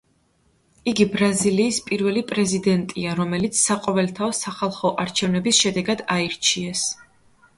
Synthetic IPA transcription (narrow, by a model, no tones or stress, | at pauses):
iɡibɾaziliːspʼiɾvɛlipʼɾɛzid̪ɛnt̪ʼiaɾɔmɛlit̪sʰsaqʼɔvɛlt̪ʰaɔsaχalˠχɔʔaɾt͡ʃʰɛvnɛbisʃɛd̪ɛɡad̪aiɾt͡ʃʰiɛs